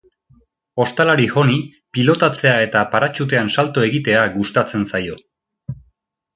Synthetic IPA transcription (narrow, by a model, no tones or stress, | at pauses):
o̞st̪alaɾixo̞ni | pilo̞t̪at͡se̞ae̞t̪apaɾat͡ʃut̪̬e̞ansalt̪oe̞ɣit̪e̞aɡust̪at͡se̞nsajo̞